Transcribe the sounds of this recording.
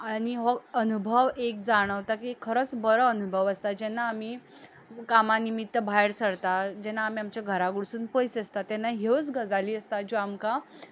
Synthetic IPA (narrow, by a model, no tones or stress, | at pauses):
añiɦɔənubʱəʋek̚d͡zaɽ̃əʋt̪akikʰːəɾət͡sbəɾəːnubʱəʋəst̪ad͡ʑɛnːaːmiː | kamanimit̪ːəbʱajɽsəɽt̪ad͡ʑɛnaːm̤iamt͡ɕjaɡʱəɾaɡuɽsuːnpəjseəst̪at̪ɛnːaɦewt͡sɡəd͡zaliːəst̪ad͡ʑoamka